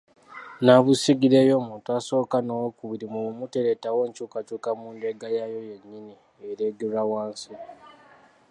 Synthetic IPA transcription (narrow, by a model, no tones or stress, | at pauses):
naβusiɡiɾejo̞ːmuːntuaso̞ːkanowokuβiɾimuumuteɾetawe̞ːɲcukat͡ʃuːkamuːndeɡajajo̞je̞ɲːini | eɾeɡeɾawaːnsi